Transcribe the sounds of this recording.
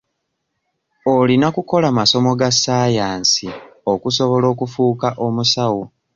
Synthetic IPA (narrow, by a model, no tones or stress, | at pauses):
olinakuko̞lamaso̞mo̞ɡasːaːjaːnsio̞kuso̞βo̞lo̞ːkufuːkaʔo̞musawu